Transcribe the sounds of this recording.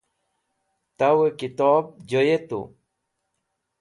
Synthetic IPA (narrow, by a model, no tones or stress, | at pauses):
t̪awekit̪ɔːb̚d͡ʑojet̪ṵ